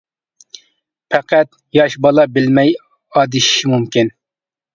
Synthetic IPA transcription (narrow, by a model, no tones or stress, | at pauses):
pʰɛqæt̪ | jɑʃbɑlˠɑbɪlmɛj | ɑːd̪ɪʃi̥ʃimumkʲin